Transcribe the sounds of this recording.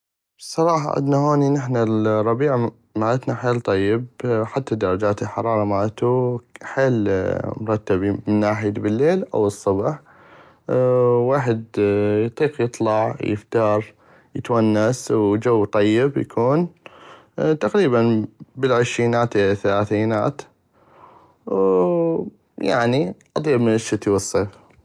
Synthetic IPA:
sˤɑɾˤɑːħɑ̰ʕɪ̰d̪nahoːninɪħnarˤːɑbiːʕa | maːʔat̪naħeːlt̪ˤɑjːɪbħat̪ːad̪ɑɾˤɑd͡ʒaːt̪ɪlħɑɾˤɑːɾˤɑmaːʔat̪uħeːlmʊɾˤɑt̪ːabimɪnːaːħɪjd̪bɪlːeːlʔa̰wɨsˤːʊbħ | waːħɪd̪jt̪ˤiːqjɨt̪ˤlɑʕjɪ̰ft̪ɑːɾˤ | jɪt̪wanːaswd͡ʒawːt̪ˤɑjːɪbja̰kʰuːn | t̪aqɾiːbanbɪlʕɪʃɾiːnaːt̪ʔθalaːθiːna̰ːt̪ | ja̰ʕniʔɑt̪ˤiːbmɪnəʃːɪt̪iwɨsˤːeːf

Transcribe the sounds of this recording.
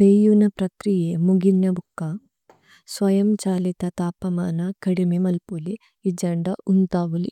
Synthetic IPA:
peːjunɐpɾɐkɾijeːmuɡinːɐbukːɐ | sʋɐjɐmt͡ʃaːlit̪ɐt̪aːpɐmaːnɐkɐɽimemɐlpuliː | d͡ʒɐɳɖɐunt̪aːʋɐli

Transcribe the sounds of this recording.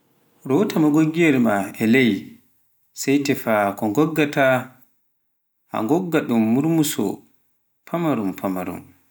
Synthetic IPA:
ɾɔtamaɡoɡiɛɾmaɛlɛj | sajtɛfakɔŋɡɔɡːata | ha̰ŋɡɔɡːaɗumːuɾmusɔ̰ | pʰamaɾumpʰama̰ɾṵm

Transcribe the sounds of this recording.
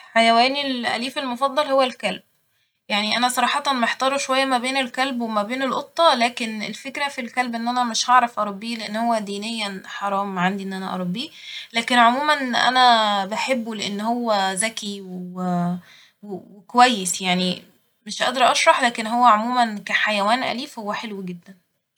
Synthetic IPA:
ħajæwæːnilʔæ̰liːfelmofɑd̪ˤːɑlhowːælkælb̚ | jaʕniʔænæsˤɑɾˤɑːħɑt̪ˤɑnmæeħt̪ɑːɾˤoʃowæjːæmæbeːnelkælbwemæbeːnelʔot̪ˤːɑlæːkenḛlfekɾæfilkælbʔenːʔænæmɪʃʔɑʕɾˤɑfʔɑɾˤɑbːiːleʔenːhowːæd̪iːnejːænħɑɾˤɑːmʕand̪iʔenːʔænæʔɑ̰ɾˤɑbːiːlæːkenʕomuːmænʔæ̰næbæħebːuleʔenːhowːæzækiwe | wewekowæjːesjaʕni | meʃʔɑ̰d̪ɑɾˤʔɑʃɾˤɑħlæːkenɦowːæʕomuːmænkæħajæwæːnʔæ̰liːfhowːæħelwɡed̪ːæn

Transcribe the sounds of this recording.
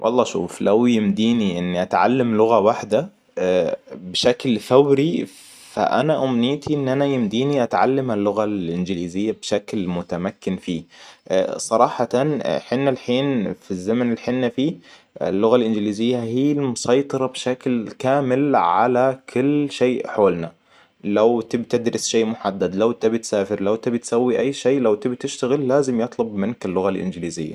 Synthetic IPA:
wʔɑ̰lˤːɑːʃṵːflawjɪmd̪iːniʔɪnːiʔat̪ʕa̰lːamlʊɣawaħd̪a | bɪʃaklθawɾi | fa̰ʔa̰naʔʊmniːt̪ʰiʔɪnːʔanajɪmd̪iːniʔat̪ʕa̰lːamalːʊɣalʔɪnɡɪliːzɪjːabʃaklmʊt̪amakːɪnfiː | sˤɑɾˤɑːħɑt̪anħɪnːalħiːnfizːamanɪlħɪnːafiː | ɪ̰lːʊɣalʔɪnd͡ʒɪliːzɪjːahiːlmʊsɑjt̪ˤɑɾˤɑbʃaklkaːmɪlʕa̰lakʰʊlːʃeːʔħoːlna | lawt̪ɪbt̪ɪd̪ɾɪsʃeːʔmʊħad̪ːad̪lawt̪ɪbit̪saːfɪɾlawt̪ɪbt̪sawːiʔajːʃeːʔlawt̪ɪbt̪ɪʃt̪aɣɪlːaːzɪmjɨt̪ˤlʊbmɪnkɪlːʊɣalʔɪ̰nd͡ʒɪliːzɪ̰jːa̰

